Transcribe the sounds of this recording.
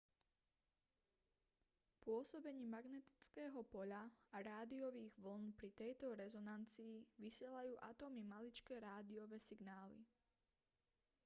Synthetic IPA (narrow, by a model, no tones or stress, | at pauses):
pʊɔsɔbɛɲiːmaɡnɛt̪i̥t͡skɛːɦɔpɔʎaaɾaːd̪iɔʋiːɣʋl̩npɾit̪ɛjt̪ɔɾɛzɔnant͡siːʋisɪɛlajuːʔat̪ɔmimalit͡ʃkɛːɾaːd̪iɔʋɛːsiɡnaːlḭ